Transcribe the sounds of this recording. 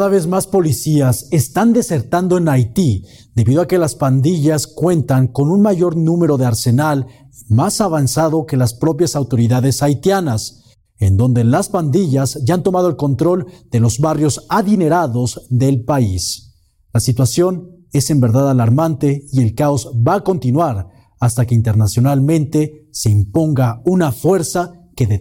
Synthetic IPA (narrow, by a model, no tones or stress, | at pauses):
kaðaβe̞zmaspo̞lisiasest̪and̪e̞se̞ɾt̪and̪o̞e̞najt̪i | d̪e̞βiðo̞ake̞laspand̪iʝaskwe̞nt̪aŋko̞nunmaʝo̞ɾnũme̞ɾo̞ðe̞aɾse̞nal | masaβansaðo̞ke̞laspɾo̞pjasawt̪o̞ɾiðaðe̞sajt̪janas | end̪o̞nd̪e̞laspand̪iʝazʝaant̪o̞maðo̞e̞lko̞nt̪ɾo̞ld̪̥e̞lo̞zβarjo̞saðine̞ɾaðo̞zðe̞lpais | lasit̪wasjo̞n | e̞se̞mbe̞ɾðaðalaɾmant̪e̞ie̞lkao̞zbaːko̞nt̪inwaɾ | ast̪ake̞int̪e̞ɾnasjo̞nalmẽ̞nt̪e̞se̞impo̞ŋɡaunafwe̞ɾsakee